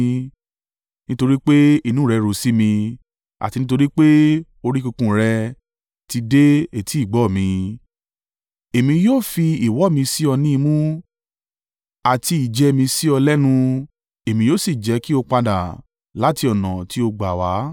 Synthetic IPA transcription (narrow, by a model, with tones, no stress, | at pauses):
nĩ˦to˧ɾi˦k͡pe˦i˦˧nũ˨˦ɾɛ˧ɾo˨si˦mĩ˧ | a̰˨ti˧nĩ˦to˧ɾi˦k͡pe˦ | o˧ɾi˦ku˧kũ˧˨ɾɛ˧ | ti˧de˦e˦˨tʰi˨˦i˦˨ɡ͡bɔ˨˦˨mĩ˧ | e˨mĩ˧joː˦˨fi˧i˨wɔ˨˦˨mĩ˧si˦ɔ˧nĩ˦i˧mũ˦ | a˨ti˧i˨d͡ʒɛ˧˦˧mĩ˧si˦ɔ˧lɛ˦nũ˧ | e˨mĩ˧joː˦˨si˦˨d͡ʒɛ˨˦ki˦o˧k͡pa˧da̰˨ | la˨˦ti˧ɔ˨nã̰˨ti˨˦o˧ɡ͡ba˨wa˨˦